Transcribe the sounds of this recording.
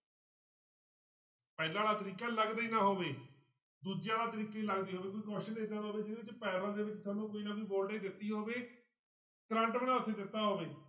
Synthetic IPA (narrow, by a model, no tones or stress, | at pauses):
pɛːlãːɽaːt̪əɾiːkaːləɡd̪iːnaːɦoːʋeː | d̪uːd͡ʒjãːɽaːt̪əɾiːkaːiːləɡd̪iːɦoːʋeːkoiːkɔːʃəneːɡ̪aːɾɦoːʋeːd͡ʒɪneːɪt͡ʃpɛːɾãːd̪eːʋɪt͡ʃt̪ʰaːnũːkoːiːnaːkiːboːlɖẽːd̪ɪt̪ːiːɦoːʋeː | kɾə̃ːɳʈmənãːʊt̪ʰːeːd̪ɪt̪ːaːɦoːʋeː